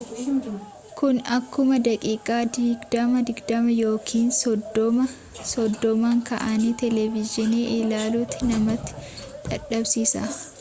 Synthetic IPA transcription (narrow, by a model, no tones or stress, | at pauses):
kʊnɐkːʊmɐd̪ɐkʼiːkʼaːd̪iːɡd̪ɐmɐd̪ɪɡd̪ɐmɐjoːkʰiːnsɔd̪ːɔmɐ | sɔd̪ːɔmaŋkɐ̰ʔɐniːt̪ɛlɛvɪd͡ʒɪneːʔɪlaːluːt̪ːɪnɐmɐt̪ːɪ̥ᶑɐᶑɐbsiːsa̰